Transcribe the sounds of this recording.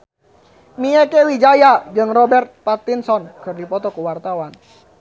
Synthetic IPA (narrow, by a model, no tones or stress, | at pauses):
miɛkewid͡ʒajad͡ʒɨŋrɔbɛrt̪̚pat̪insɔnkɨrdipɔt̪ɔkuwart̪awan